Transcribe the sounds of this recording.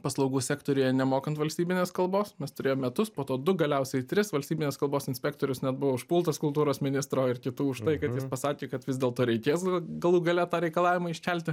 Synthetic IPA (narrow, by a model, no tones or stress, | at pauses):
pɐslˠɒʊɡuːsʲæːkt̪oːɾʲʊjɛnʲɛmoːkɐnt̪ʋɐlʲsʲt̪ʲiːbʲɪnʲeːskɐlˠboːsmʲɛst̪ʊɾʲeːjoːmʲɛt̪ʊspoːt̪oːd̪ʊɡɐlʲɛʊsʲɛɪt̪ʲɾʲɪsʋɐlʲsʲtʲiːbʲɪnʲeːskɐlˠboːsɪnsʲpʲɛk̚t̪oːɾʲʊsnʲɛt̪̚bʊʋoːʊʃpuːlˠt̪ɐskʊlˠt̪uːɾoːsmʲɪnʲɪst̪ɾoːɪrkʲɪt̪uːʊʃt̪ɐɪkɐt̪jɪspɐsɑːkʲeːkɐt̪ʋʲɪzʲd̪ʲeːlˠt̪oːɾʲɛɪkʲeːsɡɐlˠuːɡɐlʲɛt̪ɑːɾʲɛɪkɐlˠɑːʋʲɪmɐɪʃʲkʲælʲt̪ʲɪ